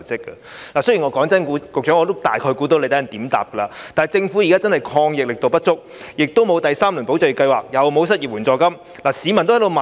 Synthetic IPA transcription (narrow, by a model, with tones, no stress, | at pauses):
t͡sɪ˥kːə˧laː˨˩sɵ˥jiː˨˩ŋɔ˨˧kɔː˨˥ŋt͡sɐ˥nku˨˧˥kʊ˨k̚t͡ʃœː˨˥ŋɔː˨˧t̪o˥wt̪a̰ː˨jkʰɔː˧jkuː˨˧˥t̪̬o˧˥le˧t̪ʰːɐ˨˩t̪iː˨˥mt̪a̰ː˨p̚kə˧laː˧t̪aː˨n˨˩jt͡sɪ˧ŋfuː˨˥ji˨kaː˥t͡sɐ˥nhɐ˨jkʰɔː˧ŋjɪ˨k̚lɪ˨k̚t̪o˨wpɐ˥t̚t͡sʊ˥k̚jɪ˨k̚t̪o˥wmo˨˧wt̪ɐ˨jsaː˥mlu˨˩npo˨˥wt͡sœ˨˩ji˨˩kɐ˧jwaː˨˩k̚jɐ˨wmo˨˧ws̬ɐ˥t̚jiː˨p̚wuː˨˩nt͡sɔː˨˧kɐ˥m | laː˨˩siː˨˧mɐ˨˩nt̪o˥ht̪o˨˧wma˨